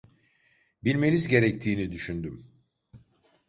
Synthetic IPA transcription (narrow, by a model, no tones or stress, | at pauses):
bilʲme̞nizɟe̞ɾɛct̪ʰiːnid̪yʃynd̪ym